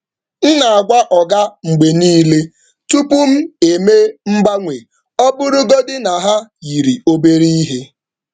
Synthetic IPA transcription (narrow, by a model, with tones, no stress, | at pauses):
n̩˦na˨a˨ɡʷa˦ʔɔ˨ɡa˦ŋ͡m̩˨ɡ͡be˨niː˦le˦ | tu˦pʊ˦m̩˦e˨me˦m̩˦ba˦ŋʷe˨ | ɔ˦bʊ˦ɾʊ˦ɡo˦dɪ˦na˨ɦa˦ji˨ɾi˨o˦be˦ɾi˦i˦ɦe˦